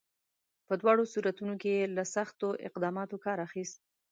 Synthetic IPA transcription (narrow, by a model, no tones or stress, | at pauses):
pəd̪wɑɽosuɾat̪unokeelasaxt̪oʔɪ̰qd̪ɑmɑt̪okɑɾaxist̪̚